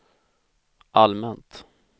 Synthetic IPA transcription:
ʔalmɛnt̪

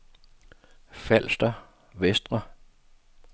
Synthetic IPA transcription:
fæl̰sd̥ɐ | ʋesd̥ʁɐ

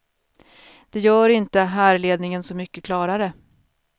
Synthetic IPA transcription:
d̪̥ɛjœːɾɪnt̪əɦæːɾɭeːd̪nɪŋənsɔmʏkːəkʰlɑːɾaɾə

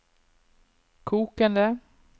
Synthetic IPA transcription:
kʰuːkənd̪ə

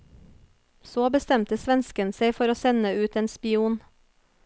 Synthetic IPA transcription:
soːbəst̪ɛmt̪əsʋɛnskənseɪfɔɾoːsɛnəʉːt̪eːnspɪuːn

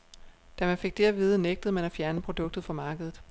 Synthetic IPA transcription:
d̥æmæfe̝ɡ̥̚d̥e̝æʋiːðˠəneɡ̥d̥ð̩ˠmænæfjæɐnəpʰʁo̝d̥ɔ̽ɡ̥̚d̥ð̩ˠfɒ̽mɑ̈ːɡ̥əð̞ˠð̩ˠ

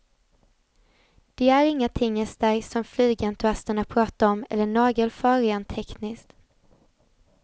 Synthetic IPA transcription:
d̪̥ɛæɾɪŋːat̪ʰɪŋːɛst̪əɾsɔmflyːɡɛnt̪ʰɵast̪əɳapʰɾɑːt̪aɾɔmɛ̰lːəɳɑːɡəlfœːɾɪant̪ʰɛknɪskt̪

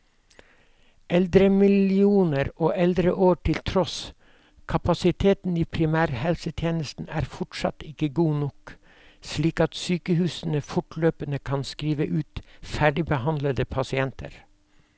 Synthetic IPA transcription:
ʔɛld̪ɾəmɪlɪuːnəɾoːʔɛld̪ɾəʔoːʈʰɪlt̪ʰɾɔs | kʰɑpɑsɪt̪ʰeːt̪n̩iːpʰɾɪmæːɾhɛlsət̪ʰjeːnəst̪n̩æ̰ːɾfɔʈsɑ̰t̪ɪkəɡuːnɔk | sliːkɑt̪syːkəhʉːsnəfʊʈløːpənəkʰɑnskɾiːʋəʔʉːt̪fæɖɪbəhɑnd̪ləd̪əpʰɑsɪɛnt̪ə̰ɾ

